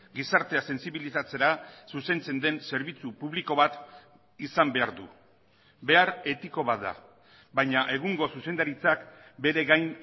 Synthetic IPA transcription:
ɡisaɾt̪e̞ase̞nsiβilisat͡se̞ɾasuse̞nt͡se̞nd̪e̞nse̞ɾβ̞it͡supuβliko̞βat̪ | isambe̞aɾðu | be̞aɾe̞t̪iko̞βat̪d̪a̰ | bajɲaʔe̞ɣ̞uŋɡo̞suse̞nd̪aɾit͡sakbe̞ɾe̞ɣajn

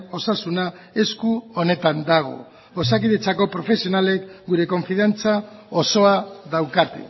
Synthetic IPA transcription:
o̞sasuna | e̞skuo̞ne̞t̪and̪aɣ̞o̞̰ | osakiðe̞t͡sako̞pɾo̞fe̞sio̞nale̞kɡuɾe̞ko̞ɱfiðant͡sao̞so̞aðawkat̪ḛ

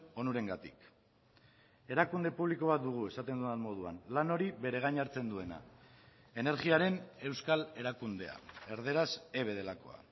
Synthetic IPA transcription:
o̞nuɾe̞ŋɡat̪ik | e̞ɾakund̪e̞puβliko̞β̞at̪̚d̪uɣ̞ue̞sat̪e̞nd̪uanmo̞ð̞uanlano̞ɾiβe̞ɾe̞ɣ̞ajɲaɾt͡se̞nd̪ue̞na̰ | e̞ne̞ɾɣiaɾe̞ne̞wskale̞ɾakund̪e̞̰a̰e̞ɾð̞e̞ɾaseβ̞e̞ðe̞lako̞̰a̰

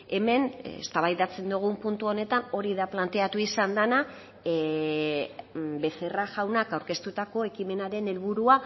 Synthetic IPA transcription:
e̞me̞nḛst̪aβajðat͡se̞nd̪uɣ̞umpunt̪uo̞ne̞t̪ano̞ɾiðaplant̪e̞at̪uisand̪ana | be̞se̞raʝawnakawɾke̞st̪ut̪ako̞e̞kime̞naɾe̞ne̞lβuɾua

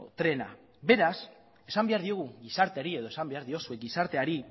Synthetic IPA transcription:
t̪ɾe̞na̰ | be̞ɾas | e̞sambe̞aɾðio̞ɣ̞uɣisaɾt̪eaɾie̞ðosambe̞aɾðio̞sue̞k̚ɡisaɾt̪e̞aɾi

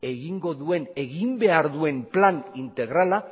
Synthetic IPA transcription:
e̞ɣiŋɡo̞ðue̞ne̞ɣimbe̞aɾðue̞mplanint̪e̞ɣɾala

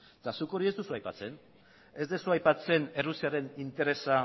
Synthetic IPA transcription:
t̪asuko̞ɾie̞zd̪usuajpat͡se̞n | e̞zd̪esuajpat͡se̞ne̞rusiaɾe̞nint̪e̞ɾe̞sa

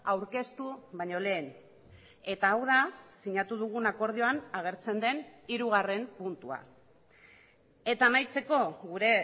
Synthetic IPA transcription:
awɾke̞st̪uβaɲo̞le̞ːn | e̞t̪aːwð̞asiɲat̪uð̞uɣ̞unako̞ɾð̞io̞anaɣ̞e̞ɾt͡se̞nd̪e̞niɾuɣ̞are̞mpunt̪ua̰ | e̞t̪aːmajt͡se̞ko̞ɣuɾe̞

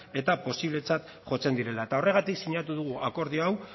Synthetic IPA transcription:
e̞t̪apo̞siβle̞t͡sat̪ | ʝo̞t͡se̞nd̪iɾe̞laet̪ao̞re̞ɣ̞at̪iksiɲat̪uðuɣ̞uako̞ɾð̞ioaw

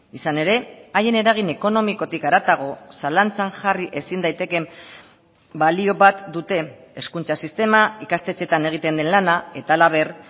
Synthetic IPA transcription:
isane̞ɾe̞ajene̞ɾaɣ̞ine̞ko̞no̞miko̞t̪ikaɾat̪aɣ̞o̞salant͡saŋʝariʔe̞sind̪ajt̪e̞ke̞m | balio̞βat̪d̪ut̪e̞ː | skunt͡sasist̪e̞maikast̪e̞t͡se̞t̪ane̞ɣ̞it̪e̞nd̪e̞nlanae̞t̪aːlaβ̞e̞r

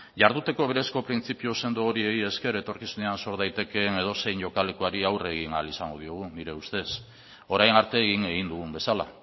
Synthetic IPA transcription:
ʝaɾðut̪e̞ko̞β̞e̞ɾe̞sko̞pɾint͡sipiose̞nd̪ooɾie̞ɣie̞ske̞ɾoet̪o̞ɾkisune̞anso̞ɾðajt̪e̞ke̞ne̞ð̞o̞se̞jɲʝo̞kale̞koaɾiawre̞ɣ̞ina̰lisaŋɡoð̞io̞ɣ̞uniɾe̞ust̪e̞s | o̞ɾajnaɾt̪e̞ːɣiŋe̞ɣ̞ind̪uɣumbe̞sala̰

